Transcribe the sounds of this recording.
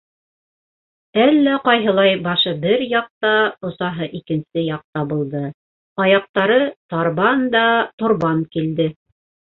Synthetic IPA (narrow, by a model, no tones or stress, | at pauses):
ælːæqɑjɦɤ̆lˠɑjbɑʃɤbɘɾjɑq̚t̪ɑŏsɑɦɤʔikɘ̆nsɘjɑq̚t̪ɑβɤ̆lˠd̪ɤ | ɑjɑq̚t̪ɑɾɤt̪ɑɾβɑnd̪ɑt̪ŏɾβɑŋkild̪ɘ